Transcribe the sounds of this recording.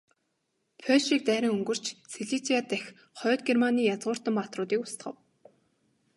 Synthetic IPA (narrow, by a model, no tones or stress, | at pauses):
pʰœʃiːk̚t̪æːɾʲɪ̆ŋɵŋɡɵ̆r̥t͡ɕseɮit͡sʰiat̪æxʲ | χœːt̪̚ɡermaniːjat͡sʁʊːr̥t̪ə̆mpat̪rʊːt̪iːkʊst̪̆χə̆w